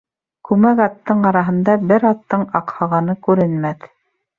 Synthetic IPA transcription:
kʉmækɑt̪ːɤɴɑɾɑɦɤ̆nd̪ɑbɘɾɑt̪ːɤɴɑqhɑʁɑnɤkʉɾɘ̆nmæθ

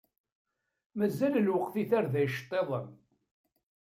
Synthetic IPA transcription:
mæzːællwəqθiθaɾðæjʃt̪ˤːeðˤəm

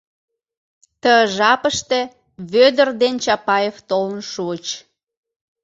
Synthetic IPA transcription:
t̪əəʒɑpəʃt̪ĕ | βød̪ərd̪ent͡ɕɑpɑjeft̪olənʃuət͡ɕ

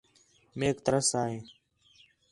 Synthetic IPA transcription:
meːkt̪əɾəsaːɦeː

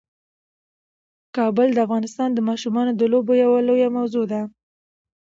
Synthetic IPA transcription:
kɑbəld̪əafɣɑnɪst̪ɑnd̪əmɑʃumɑnod̪əlobojawalojamawzod̪a

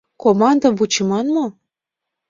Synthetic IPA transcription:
komɑnd̪ə̆mbut͡ɕəmɑnmo

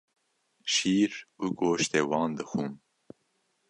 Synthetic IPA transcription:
ʃiːɾuɡoːʃt̪ewɑːnd̪ɨxum

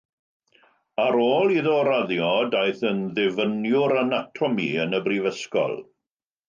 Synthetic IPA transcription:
aɾoːlˠiðɔɾaðjɔdajθənðɛvənjʊɾanatʰɔmiənəbrivəskɔ̰lˠ

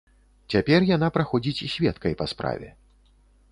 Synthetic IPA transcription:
t͡sʲapʲɛrjanapɾaxɔd͡zʲit͡sʲisʲvʲɛt̪kɐjpaspɾa̰vʲɛ̰

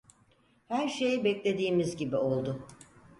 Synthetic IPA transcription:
hæɾʃe̞jibɛclʲe̞d̪iːmizɟibio̞lˠd̪ʊ

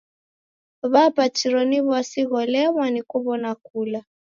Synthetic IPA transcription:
ɔβapat͡ʃiɾɔniβwasiɣɔlɛβanikuβɔnakula

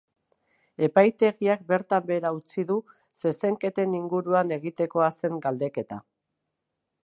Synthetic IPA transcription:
e̞pajt̪e̞ɣiak̚be̞ɾt̪ambe̞ɾaut͡siðu | se̞se̞ŋke̞t̪e̞niŋɡuɾuane̞ɣ̞it̪e̞ko̞ase̞ŋɡald̪e̞ke̞t̪a̰

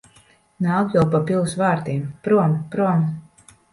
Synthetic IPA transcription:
naːkjawpapʲilˠsvaːɾt̪iːmpɾuɔmpɾuɔm

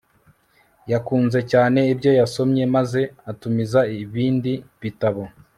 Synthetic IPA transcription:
jakuːnze̞caːne̞ibjo̞jaso̞mɲe̞maze̞atumizaiβiːndiβitaβo

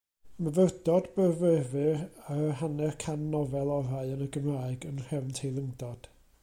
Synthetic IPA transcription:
məvərdɔdbəvəvɨraɦanɛrkʰanːɔvɛlˠɔraɨənəɡəmraːɨɡənr̥ɛvntʰejlˠəŋdɔd̥

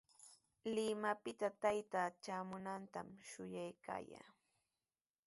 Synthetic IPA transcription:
lɪmapɪt̪at̪ajt̪at͡ʃaːmʊnant̪amʃʊjajka̰ːja̰ː

